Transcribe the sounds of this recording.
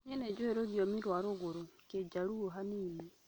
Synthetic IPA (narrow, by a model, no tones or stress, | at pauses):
ɲɛned͡ʒoheɾoɣjomiɾwaɾoɣoɾoked͡ʒaɾuoɦaniːmi